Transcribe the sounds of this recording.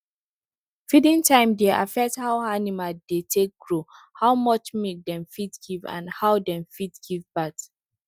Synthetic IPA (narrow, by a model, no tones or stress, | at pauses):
fidĩntʰãɪ̃mdeʔa̰fɛk̚thawanimadetʰek̚ɡ̥ɹo | haʊmʌt͡ʃmek̚dɛ̃mfitɡ̥ivã̰nhawdɛ̃mfitɡ̥ivbat